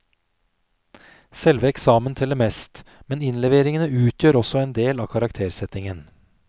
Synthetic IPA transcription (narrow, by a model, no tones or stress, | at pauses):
sɛlʋəɛksɑːmənt̪ʰɛlːəmɛːst̪mɛnɪnlɛʋeːɾɪŋənəʉːt̪ʰjøːɾɔsɔeːnd̪eːlɑ̰ːkʰɑɾɑkt̪ʰeːɾsɛt̪ɪŋən